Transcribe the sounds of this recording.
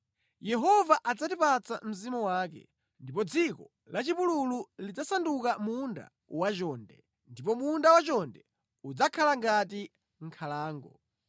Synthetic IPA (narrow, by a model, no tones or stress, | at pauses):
jɛɦɔvaʔad͡zatipat͡sa̰m̩zimɔwaːkɛ̰ | ndipɔd͡zikɔ | lat͡ʃipulululid͡zasandukamunda̰ | wat͡ʃɔːndɛ | ndipɔmundawat͡ʃɔndɛ | ud͡zakʰalaŋɡati | ŋ̩kʰalaːŋɡɔ̰